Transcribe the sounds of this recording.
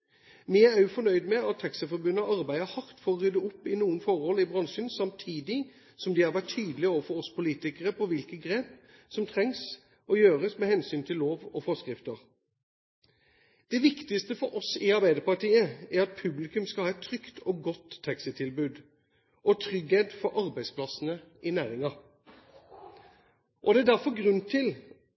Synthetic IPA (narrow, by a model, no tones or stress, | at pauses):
mɪææjʊfɔnœʏd̪mɛɑt̪ʰːɑksəfɔɾbʉnəʔɑɾbæɪəhɑɾt̪fɔɾɔʁʏd̪əʊpːɪnuːənfɔɾhɔlɪbʁɑŋʂənsɑmt̪ʰiːd̪ɪ | sɔmd̪ɪhɑɾʋæʈtʰːyːd̪əlɪoːʋəfɔɾɔspʊliːt̪ɪkəʁəpʰɔʋɪlkəɡɾeːp | sɔmt̪ʰʁɛŋs | ʔɔjøːʁəsmɛhɛnsyːnt̪ʰɪllːoːʋɔfɔskʁɪft̪əɾ | d̪̥ɛʋɪkt̪ɪst̪əfɔɾʔɔsɪɑɾbæɪd̪əpɑʈiːəæɾɑt̪̚pʰʉblɪkʉmskɑlhɑːɛt̪ʰːɾʏkt̪ʰɔːɡɔt̪ʰːɛksət̪ʰɪlbʉːd̪ | ʔɔt̪ʰʁʏɡheːd̪fɔɾʔɑɾbæɪspʰlɑsənəʔɪnæːɾɪŋɑ | ʔɔd̪ɛæd̪æɾfɔɾɡɾʉnt̪ʰɪl